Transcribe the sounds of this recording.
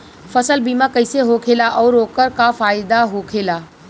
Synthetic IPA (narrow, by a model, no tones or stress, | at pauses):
fəsəlbiːmãkəɪseɦoːkʰeːlaʔɔːɾoːkəɾkafaːɪd̪aɦokʰeːlaː